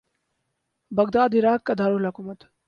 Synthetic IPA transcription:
bɐɡd̪aːd̪iɾaːkːɐd̪aːɾulɐkumət̪

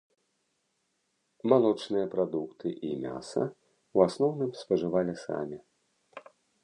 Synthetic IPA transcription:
malˠɔt͡ʂnɨjɐpɾad̪ukt̪ʰɨʔimʲa̰sɐ̰ | uasnɔwnɨmspɐʐɨvalʲisa̰mʲi

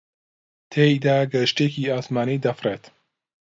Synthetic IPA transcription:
t̪ʰeːjd̪aːɡɐʃteːkiːaːsmaːnid̪ɐfreːt̪

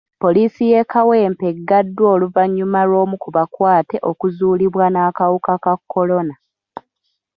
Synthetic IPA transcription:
po̞liːsije̞kawe̞ːmpe̞ɡːadːwo̞ːluvaɲːumaɾo̞ːmukuβakwaːte̞ʔo̞kuzuːliβwanaːkawukakakːo̞lo̞na

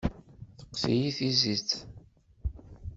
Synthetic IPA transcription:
θə̥qːθḭjiθizit͡sː

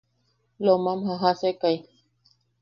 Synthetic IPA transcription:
lomamhaɦasekaj

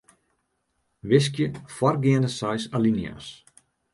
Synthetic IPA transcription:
ʋɪs̬kjəfɔrɡɪəndəsajsalinja̰s

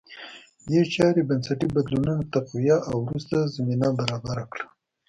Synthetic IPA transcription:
jet͡ʃɑɾebansaʈibad̪lununat̪aqwijaʔawɾust̪azaminabaɾɑbaɾakɽa

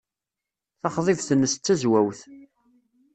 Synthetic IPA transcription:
θɑχðˤɪvθənːəst͡s̪t͡sːæzwæwθ

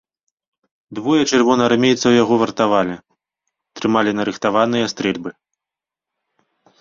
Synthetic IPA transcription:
d̪vɔjɐt͡ʃɨrvɔnɐrmʲejt̪sɐwjaɣɔvɐrt̪avalʲi | t̪ɾɨmalʲinɐɾɨxt̪avanɨjɐst̪ɾɛlʲbɨ

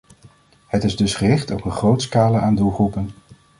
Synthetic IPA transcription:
hətɪzdɵsχərɪχtɔpənχrowtskaːləʔaːndulˠχrupən

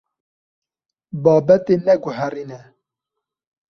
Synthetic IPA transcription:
bɑːbɛt̪enɛɡʊɦɛriːnɛ

